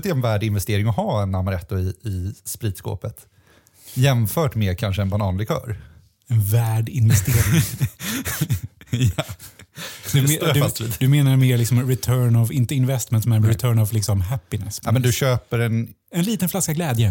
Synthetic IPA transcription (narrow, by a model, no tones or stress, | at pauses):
t̪ɛɛnvæːɖɪnvɛst̪eːɾɪŋɔɦɑːɛnamaɾɛt̪ːʊɪɪspɾiːd̪sko̰ːpət̪ | jɛmfœːʈmeːkʰanʂəɛnbanɑːnlɪkʰœ̰ːɾ | ɛnvæːɖɪnvɛst̪eːɾɪŋ | ja | d̪ɵd̪ɵiːd̪d̪ɵmeːnaɾmeːɾɭɪksɔmɾɪt̪ʰœːɳɔvɪnt̪əɪnvɛst̪mɛnt̪smɛnɾɾɪt̪ʰœːɳɔvlɪksɔmɦæpːɪnɛsmɛnd̪ɵɕøːpəɾɛn | ɛnliːt̪ənflaskaɡlɛːd̪jə